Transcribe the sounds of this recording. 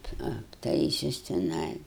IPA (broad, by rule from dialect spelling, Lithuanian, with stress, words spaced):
ɐpˈtɐɪsʲʊs tʲɪˈnɐɪ